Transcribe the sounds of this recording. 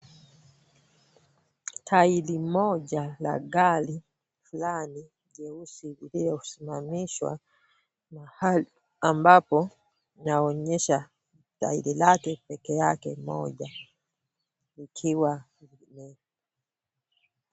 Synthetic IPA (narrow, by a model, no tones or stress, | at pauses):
tʰailimɔɟala̰ɡali | fulani | ʄɛusiuliɔu̥simamiʃwa̰ | mahali | ambapɔ | naɔɲɛʃa | ta̰ḭlilakɛpɛkɛjakɛ̰mɔ̰ɟa | likʰiwa | nɛ